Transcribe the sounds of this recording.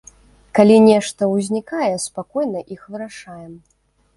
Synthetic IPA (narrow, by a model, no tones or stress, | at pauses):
kalʲinʲɛʂt̪ɐwzʲnʲikajɛspakɔjnɐʔixvɨɾaʂajɛm